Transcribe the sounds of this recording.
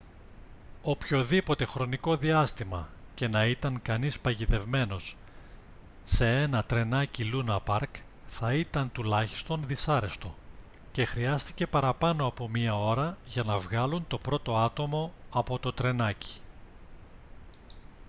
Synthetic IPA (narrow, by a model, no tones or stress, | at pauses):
o̞pço̞ðipo̞t̪e̞xɾo̞niko̞ðiɐst̪imɐ̰ce̞nɐit̪ɐŋkɐnispɐʝit̪e̞vme̞no̞s | e̞e̞nɐt̪ɾe̞nɐcilunɐpɐɾk | θɐit̪ɐnt̪ulɐçi̥st̪o̞nðisɐɾe̞st̪o̞ | ce̞xɾiɐst̪i̥ce̞pɐɾɐpɐno̞ɐpo̞mɲiɐo̞ɾɐʝɐnɐvɣɐlunt̪o̞pɾo̞t̪o̞ɐt̪o̞mo̞ɐpo̞t̪o̞t̪ɾe̞nɐci̥